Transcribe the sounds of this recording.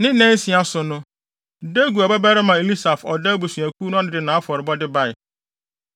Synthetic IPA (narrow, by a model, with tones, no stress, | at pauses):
nɪ̃˦nɛ̃˦n˦sĩ˨˦a˨sʊ˨nʊ̃˦ | de˦ɡu˨ɔ˨bɛ˦bæ˦ɾɪ˦mã˨e˨li˦sa˨fɔ˨dɛ˦bu˨sɥæ˨kʰu˦nʊ̃˦dɪ̃˦dɪ˨nã˨a˦fɔ˨ɾɪ˨bɔ˦dɪ˦ba˦ɪ˨